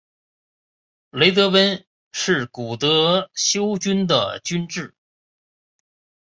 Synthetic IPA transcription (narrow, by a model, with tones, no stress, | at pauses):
le˧˥ɪt̪ɤ˧˥wə˥n | ʂɻ̩˥˩ku˨˩t̪ɤ˧˥ɕjo˥ʊt͡ɕy˥nd̪ə̰˨˩t͡ɕy˥nʈ͡ʂɻ̩˥˩